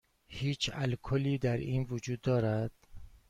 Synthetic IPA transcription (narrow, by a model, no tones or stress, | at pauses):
hiːt͡ʃʰælkʰoliːd̪æɾʔiːnvod͡ʒuːd̪ːɒːɾæd̪̥